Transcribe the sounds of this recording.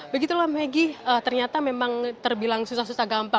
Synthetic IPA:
bəɡit̪ulɔmeɡiət̪ərɲat̪amemaŋt̪ərbilaŋsusahsusahɡampaŋ

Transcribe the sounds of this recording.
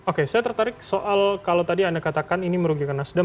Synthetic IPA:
okesajat̪ərt̪aɾɪk̚soʔalkalawt̪adiandakat̪akaniniməɾuɡikanasdə

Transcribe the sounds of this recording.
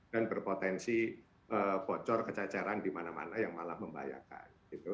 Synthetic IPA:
d̥anbərpot̪ɛnsi | ʔəːpɔt͡ʃɔrkət͡ʃat͡ʃaɾandimanama̰najaŋmalahməmba̰ja̰ka̰n | it̪u

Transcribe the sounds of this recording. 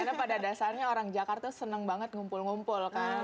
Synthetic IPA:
anapadadasarɲaoɾaŋd͡ʒakart̪asənəŋbaŋət̪̚ŋumpʊlŋumpʊlka

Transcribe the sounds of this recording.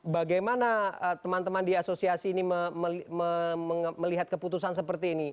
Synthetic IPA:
baɡajmanaət̪əmant̪əmandiasosiasiːniməməməəməliɦat̪̚kəput̪usans̬əpərt̪iːni

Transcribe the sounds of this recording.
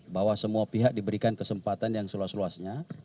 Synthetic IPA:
bawasəmuapiɦak̚dibəɾikankəsəmpat̪anjaŋsəluasluasɲa

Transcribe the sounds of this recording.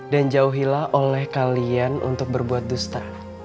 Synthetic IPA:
dand͡ʒauɦilahʔolɛhkalianʔṵnt̪ʊk̚bərbuat̪̚dust̪a

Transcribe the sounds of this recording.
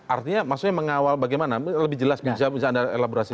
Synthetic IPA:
ʔa̰rt̪iɲamaksʊk̚ɲaməŋawalbaɡajmanaləbɪd͡ʒəlasbisabisaːdaḛlaboɾasi

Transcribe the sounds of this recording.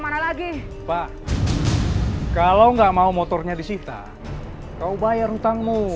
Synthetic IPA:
manalaɡi | pa | kalauŋɡaʔmaumɔt̪ɔrɲadisit̪a̰ | kaubajarhut̪aŋmu

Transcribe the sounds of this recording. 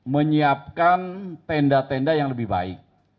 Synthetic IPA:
məɲiap̚kant̪ɛndat̪ɛndajaŋləbɪhba̰ɪ̰k̚

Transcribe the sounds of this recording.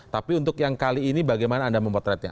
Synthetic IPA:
t̪apiunt̪ʊkjaŋkaliːnibaɡajmanaːndaməmpɔt̪ɾɛt̪̚ɲa̰

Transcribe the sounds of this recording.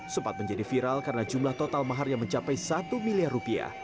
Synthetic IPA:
səmpat̪̚məɲd͡ʒadifiɾalkaɾənad͡ʒumlaht̪ot̪almaɦarjaŋməɲt͡ʃapajsat̪umiliarːupia̰h

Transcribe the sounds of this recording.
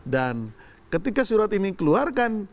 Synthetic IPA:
dan | kət̪ikasuɾat̪inikəluarkan

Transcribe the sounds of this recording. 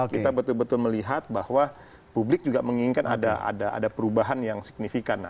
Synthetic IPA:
kit̪abət̪ʊlbət̪ʊlməliɦat̪̚bahwa | publɪk̚d͡ʒuɡaməŋiɪŋkana̰daʔa̰daʔa̰dapəɾubaɦanjaŋsi̥k̚nifikanːa

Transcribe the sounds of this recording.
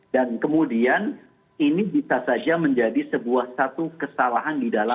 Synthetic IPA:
dankəmudian | inibisasad͡ʒaməɲd͡ʒadisəbuahsat̪ukəsalaɦandidala

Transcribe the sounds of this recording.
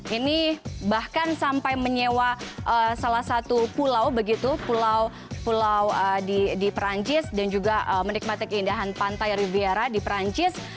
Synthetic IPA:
ʔinibahkansampajməɲewaʔəsalahsat̪upulawbəɡit̪upulaw | pulawədidipɾaɲt͡ʃɪsdand͡ʒuɡaəmənik̚mat̪ikəindaɦanpant̪ajɾiviaɾadipɾaɲt͡ʃɪs

